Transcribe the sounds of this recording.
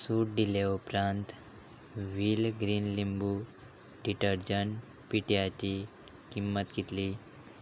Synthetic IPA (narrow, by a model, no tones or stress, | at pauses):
suːʈ̚d̪ilaupɾãnt̪ | ʋilɡɾiːnlimbu | ɖiʈəɾd͡ʑəɳ | piʈiat͡ɕi | kimːət̪ɡit̪li